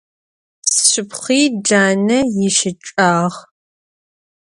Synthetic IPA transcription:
sɕɪpχiːd͡ʒaːnɐjɪʃɪʈ͡ʂʼaːʁ

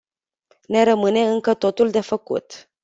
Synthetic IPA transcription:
ne̞ɾəmɨne̞ɨŋkət̪o̞t̪uld̪e̞fəkṵt̪

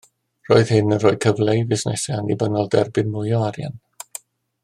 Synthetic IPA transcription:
r̥oːɨðhɪnənroːj̚kʰəvlejvɪsnɛ̰sɛanibənɔlˠdɛrbɪnmʊjɔaɾja̰n

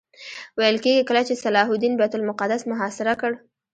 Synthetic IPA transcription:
wajəlkeɡikəlat͡ʃesalɑɦʊd̪inbajt̪ʊlmʊqad̪asmʊɦɑsɪɾakəɽ

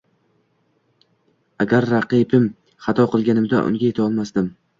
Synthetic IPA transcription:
aɡʲaɾːaqipʰɪm | χɑt̪ʰɒqʰɨlˠɡʲanɪmd̪a̰ʔʊ̰ŋɡʲaje̞t̪ʰaɒlˠmasd̪ɪm

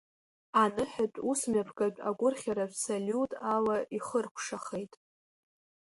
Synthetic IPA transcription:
anɨħat͡pʷʼusmapʰɡʼat͡pʼa̰ɡʷʼʊrχʲaɾapsalʲutʼalaʔiχərkʷʰʂaχejtʼ

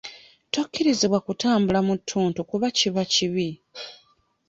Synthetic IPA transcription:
tokːiɾiziβwakutaːmbulamutʰːuːntukuβaciβaciβi

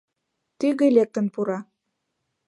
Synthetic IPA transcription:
t̪yɣelʲek̚t̪ə̆npuɾɑ

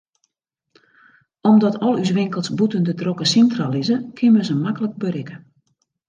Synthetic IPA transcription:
ɔmdɔtɔlˠys̬ʋɪŋkəlˠsbutəndədrokəsintralizəkʰɪnməzəmakələk̚bəɾɪkə

